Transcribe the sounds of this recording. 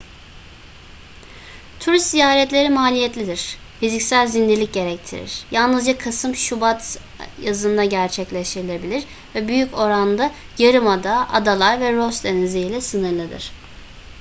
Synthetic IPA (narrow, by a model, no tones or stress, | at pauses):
t̪ʰuɾist̪zijaːɾɛt̪lʲe̞ɾimaːlʲijɛt̪lʲid̪iɾ̥ | fizicsælʲzind̪iɾlʲic̚ɟe̞ɾɛc̚t̪ʰḭɾḭɾ̥jalˠnɯzd͡ʒakʰasɯmʃubat̪ | jazɯnd̪aɟæɾt͡ʃʰɛclʲeʃt̪ʰiɾilʲe̞bilʲiɾ | vɛbyjyco̞ɾand̪a | jaɾɯmad̪aʔa̰d̪alˠaɾvɛɾost̪d̪ɛniziilʲɛsɯnɯɾlˠɯd̪ɯ̰ɾ̥